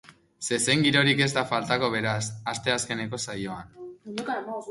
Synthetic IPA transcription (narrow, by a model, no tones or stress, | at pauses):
se̞seŋɡiɾo̞ɾike̞zt̪afalt̪ako̞β̞e̞ɾasast̪e̞aske̞ne̞ko̞sajo̞an